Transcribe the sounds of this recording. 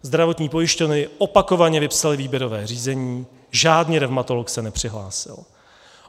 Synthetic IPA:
zd̪ɾavo̞t̪ɲiːpo̞jɪʃcovnɪʔopako̞vaɲɛvɪpsalɪviːbjɛɾo̞vɛːriːzɛɲiː | ʒaːdniɾɛvmat̪o̞loksɛnɛpr̝̥ɪɦlaːsɪ̰l

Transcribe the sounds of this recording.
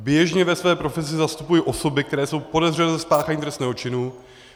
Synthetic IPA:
bjɛʒɲɛvɛsvɛːpɾo̞fɛs̬ɪzast̪upujiʔo̞so̞bɪk̚t̪ɛɾɛːso̞wpo̞dɛzr̝ɛnɛzɛspaːxaɲiːt̪ɾɛst̪nɛːɦo̞t͡ʃɪnu

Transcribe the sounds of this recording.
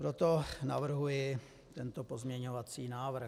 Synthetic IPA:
pɾot̪ona̰vr̩ɦujɪ | t̪ɛnt̪opozmɲɛɲo̞vat͡siːnaːvr̩

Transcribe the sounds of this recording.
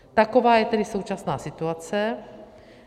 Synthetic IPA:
t̪akovaːjɛt̪ɛdisowt͡ʃasnaːsit̪uat͡sɛ

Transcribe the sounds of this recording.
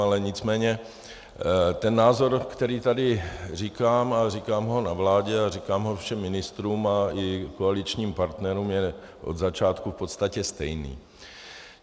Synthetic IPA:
alɛɲɪt͡smɛːɲɛ | t̪ɛnːaːzo̞ɾkt̪ɛɾiːt̪adɪr̝ikaːmarikaːmɦo̞navlaːɟɛarikaːmɦo̞fʃɛmːɪnɪst̪ɾuːmaɪkoalɪt͡ʃɲiːmpaɾt̪nɛɾuːmjɛ | ʔo̞̰d̪zat͡ʃaːt̪kufpo̞t̪st̪acɛst̪ɛjnḭː

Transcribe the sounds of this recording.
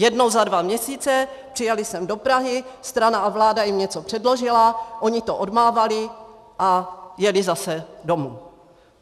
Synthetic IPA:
jɛdno̞wzadvamɲɛsiːt͡sɛpr̥ɪjalɪsɛmdo̞pɾaɦɪst̪ɾanaʔavlaːdajɪmɲɛt͡sopr̥ɛdlo̞ʒɪlaʔo̞ɲɪt̪o̞ʔodmaːvalɪ | ʔajɛlɪzasɛdo̞muː

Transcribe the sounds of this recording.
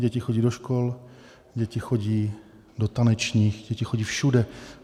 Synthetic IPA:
ɟɛcɪxoɟiːdoʃkol | ɟɛcɪxo̞ɟiː | dot̪anɛt͡ʃɲiːxɟɛcɪxoɟiːfʃudɛ

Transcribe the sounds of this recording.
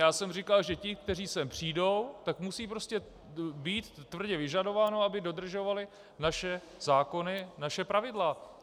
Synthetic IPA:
jaːsɛmrɪkalʒɛcɪk̚t̪ɛriːsɛmpr̝̥iːdo̞wt̪akmusiːpɾo̞scɛ | biːt̪ːvr̩ɟɛvɪʒado̞vaːnoabɪdo̞d̪r̩ʒo̞valɪ | naʃɛ | zaːko̞nɪnaʃɛpɾavɪdla

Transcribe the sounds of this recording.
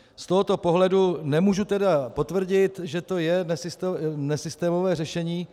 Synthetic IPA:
st̪o̞ɦot̪o̞po̞ɦlɛdunɛmuːʒut̪ɛdapo̞t̪vr̩ɟɪt̪ʒɛt̪o̞jɛnɛsɪst̪nɛsɪst̪ɛːmo̞vɛːrɛʃɛɲiː

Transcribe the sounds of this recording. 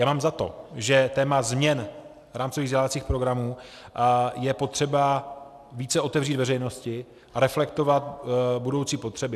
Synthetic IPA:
jaːmaːmzat̪o̞̰ʒɛt̪ɛːmazmɲɛn | ɾaːmt͡soviɣvzɟɛlavat͡siːxpɾo̞ɡɾamuː | jɛpo̞t̪r̥ɛba | viːt͡sɛʔo̞t̪ɛvriːt̪vɛɾɛjno̞scɪ | ʔaɾɛflɛkt̪o̞vat̪budo̞wt͡siːpo̞t̪r̥ɛbɪ

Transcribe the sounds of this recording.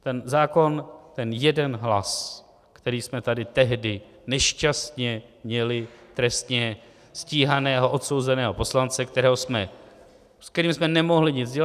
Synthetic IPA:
t̪ɛnzaːko̞nt̪ɛnjɛdɛnɦla̰s | kt̪ɛɾiːsmɛt̪adɪt̪ɛɦdɪ | nɛʃcast̪ɲɛmɲɛlɪt̪ɾɛst̪ɲɛ | sciːɦanɛːɦo̞ʔo̞t̪so̞wzɛnɛːɦo̞po̞slant͡sɛkt̪ɛɾɛːɦosmɛ | skt̪ɛɾiːmsmɛnɛmo̞ɦlɪɲɪd͡zɟɛ

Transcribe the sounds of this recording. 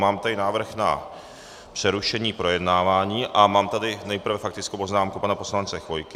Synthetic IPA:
maːmt̪adɪnaːvr̩xna̰ | pr̝̥ɛɾuʃɛɲiːpɾo̞jɛdnaːvaːɲiːʔamaːmt̪adɪnɛjpr̩vɛfakt̪ɪt͡skowpo̞znaːmkupanapo̞slant͡sɛxvo̞jkɪ

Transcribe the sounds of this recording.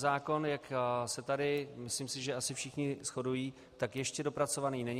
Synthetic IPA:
zaːko̞njaksɛt̪adɪmɪsliːmsɪʒɛasɪfʃɪxɲɪsxo̞dujiː | t̪akjɛʃcɛdo̞pɾat͡so̞vaniːnɛɲ

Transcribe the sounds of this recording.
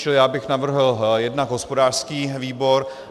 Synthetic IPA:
t͡ʃɪljaːbɪxnavr̩ɦl̩jɛdnaɡɦospodaːr̥skiːviːbo̞ɾ

